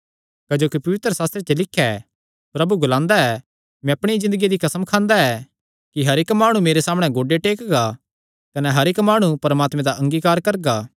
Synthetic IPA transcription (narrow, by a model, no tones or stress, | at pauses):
kɐd͡ʒoːkipɐʋɪt̪ɾəsaːst̪ɾet͡ʃelɪkʰːjɛ | pɾɐbuɡʊlãːnd̪aɛ | mɛ̃ɐpɽ̃izɪ̃nd̪əɡid̪ikɐsəmkʰãːnd̪aɛ | kiɦɐɾɪkmaːɽ̃ũmeːɾesaːmɽ̃ɛ̃ɡoːɖeʈeːkɡa | kɐnɛɦɐɾekmaːɽ̃upɐɾmaːt̪mɛ̃d̪aʔɐ̃ŋɡiːkaːɾkɐɾɡaː